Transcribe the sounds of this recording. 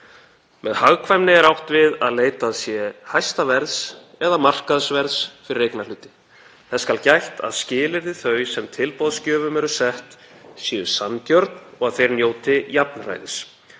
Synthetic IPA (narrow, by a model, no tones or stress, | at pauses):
mɛðhaɣkʰvajmnɪɛɾawht̪vɪðaðleːjt̪aðsjɛhajst̪avɛɾðs | ɛðamar̥kaðsvɛɾðsfɪɾɪrejknalʏːt̪ɪ̥ | θɛskalcajht̪a̰ðscɪːlɪɾðɪθœɥsɛmt̪ʰɪlpɔðscœːvʏmɛɾʏsɛht̪ | sjɛːʏsancœɾt̪nɔɣaðθejɾnjoːwt̪ɪjap̚nra̰jðɪs